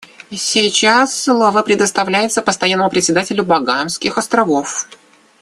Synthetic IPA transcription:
sʲɪt͡ɕasːlˠovəpɾʲɪd̪əst̪ɐvlʲæjɪt̪səpəst̪ɐjanːəmʊpɾʲɪt̪ʲsʲɪd̪atʲɪlʲʊbɐɡanskʲɪxɐst̪ɾɐvo̞f

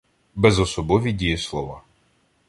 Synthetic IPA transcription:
bɛzɔsɔbɔʋʲidʲijɪslˠɔʋa

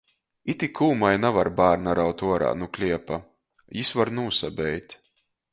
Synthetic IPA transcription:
it̪ʲikʰuːmajnavaɾbaːɾnaɾawt̪uɔɾa̰ːnuklʲiɛpa | jisvaɾnuːsabɛjt̪ʲ

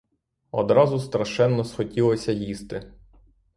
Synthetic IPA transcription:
ɔ̰d̪ɾɑzʊst̪ɾɐʃɛnːɔsxɔtʲilˠɔsʲɐjist̪ɪ

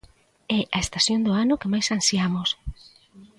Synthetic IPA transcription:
ɛʔaest̪asjond̪ʊanʊkemajsansjamʊs

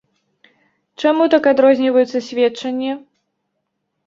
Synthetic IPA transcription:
t͡ʂamut̪akad̪ɾɔzʲnʲivɐjut̪sːɐsʲvʲɛtt͡ʂɐnʲːɛ

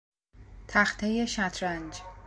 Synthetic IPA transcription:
t̪ʰæxt̪ʰeje̞ʃæt̪ʰɾænd͡ʒ

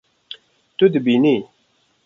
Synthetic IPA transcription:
t̪ud̪ibini

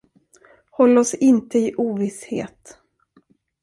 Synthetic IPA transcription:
hɔlːɔsɪnt̪əɪʔuːvɪshḛːt̪

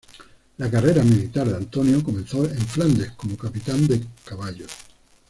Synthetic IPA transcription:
lakare̞ɾamilit̪aɾðeant̪o̞njoko̞mẽ̞nθoeɱfland̪ehko̞mokapit̪and̪e̞kaβaʎo

